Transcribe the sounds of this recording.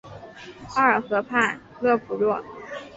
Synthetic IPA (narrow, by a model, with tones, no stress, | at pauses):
ɑ˥˩ə˞˨˩xɤ˧˥pʰa˥˧ɪ | lɤ˥˩fu˨˩lwɔ˥˩